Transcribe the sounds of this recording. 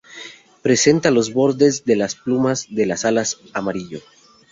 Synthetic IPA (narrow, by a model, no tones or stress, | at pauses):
pɾe̞se̞nt̪alo̞zβo̞ɾðezðe̞lasplumazðelasalas | amaɾiʎo